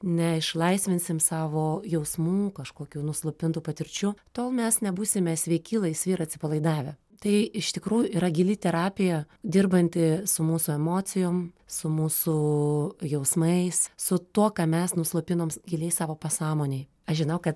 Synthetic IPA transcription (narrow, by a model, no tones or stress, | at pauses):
nʲɛɪʃlˠɐɪsʲʋʲɪnʲsʲɪmsɑːʋoːjɛʊsmuːkɐʃkoːkʲuːnʊslˠʊpʲɪnt̪uːpɐt̪ʲɪɾʲt͡ʃʲʊt̪oːlˠmʲɛsnʲɛbuːsʲɪmʲɛsʲʋʲɛɪkʲiːlˠɐɪsʲʋʲiːɾɐt̪ʲsʲɪpɐlˠɐɪd̪ɑːʋʲɛ | t̪ɐɪɪʃt̪ʲɪkɾuːjʊiːɾɐɡʲɪlʲɪt̪ʲɛɾɑːpʲɪjɛ | d̪ʲɪrbɐnʲt̪ʲɪsʊmuːsʊɛmoːsʲɪjoːmsʊmuːsʊ | jɛʊsmɐɪssʊt̪uɔkɑːmʲɛsnʊslˠʊpʲɪnoːmɡʲɪlʲɛɪsɑːʋoːpɐsɑːmoːnʲeɪj | ɐʃʒʲɪnɐʊkɐt̪